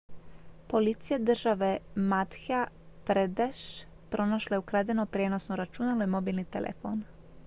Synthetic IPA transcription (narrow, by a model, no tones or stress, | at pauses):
polit̪sijed̪r̩ʒaʋemat̪xa | pɾed̪eʃ | pɾʔo̞naʃlaukɾad̪enopɾjeːno̞snoɾat͡ʃunalojemo̞biːlnit̪elʔḛfo̰n